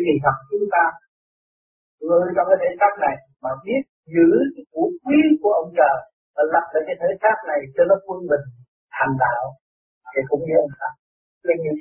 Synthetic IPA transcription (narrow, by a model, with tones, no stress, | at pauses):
ki˨˩ɦa˨˩k͡p̚t͡ɕʊ˨˦ŋ͡mt̪aː˧ | ɨ˧˨˧t͡ɕŋ͡mkaː˨˦jt̪ʰːjsaː˦˥t̚na˨˩j | maː˨˩ɓi˦˥ət̚zɨ˨˦kːku˧˨˦kwi˧˦ku˧˩əʔə˧wŋ͡mt͡ɕəː˨˩ | vaː˨˩la̰˨˩p̚ɗəː˨˩jkaː˨˦jt̪ʰəː˨˦jsaː˦˥t̚na˨˩jt͡ɕɔ˧nɔ˨˦kwə˧nmï˨˩ŋ̟ | t̪ʰa˨˩ŋ̟t̪a̰ː˧˨w | ke˨˩kʊ̰˧˦ŋ͡mɲi˧ʔə˧ŋ͡msa˧˩ | ə˧ɲ˧